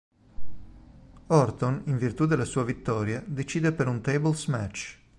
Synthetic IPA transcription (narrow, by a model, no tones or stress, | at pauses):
ɔrt̪oniɱvirt̪ud̪elasuːavit̪ːɔːɾjad̪et͡ʃiːd̪epeɾunt̪ejbɔlsmɛt͡ʃ